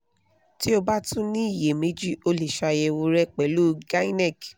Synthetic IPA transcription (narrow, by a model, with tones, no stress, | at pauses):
ti˦o˧ba˦tũ˦nĩ˦i˦˨je˨me˨˦d͡ʒi˦o˧le˨ʃa˧jɛ˧wo˧ɾɛ˦k͡pɛ˨lu˦ɡa˦i˦nɛ˦˨k